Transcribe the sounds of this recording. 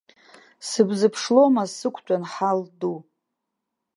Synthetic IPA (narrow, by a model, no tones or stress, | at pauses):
sɨbzɨpʰʂlo̞masɨkʷʰt͡ʃʷʼanħaldu